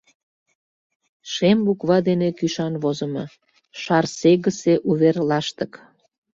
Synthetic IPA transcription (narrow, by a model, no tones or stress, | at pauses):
ʃembukβɑd̪enekyʃɑnβozə̆mɤ | ʃɑrseɣəseʔuβerlɑʃt̪ək